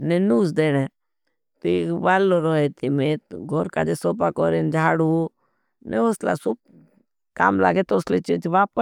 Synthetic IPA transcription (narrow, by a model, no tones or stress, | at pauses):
nenuːs̬d̪eːne | t̪oʋaːlːoɾoːɦeːt̪imeɡʱoɾka̰ːd͡ʒesoːpakoɾend͡ʒʱaːɽu | nɛ̰osla̰sub̚ | ka̰ːmla̰ːɡet̪oslet͡ʃid͡ʒʋaːpə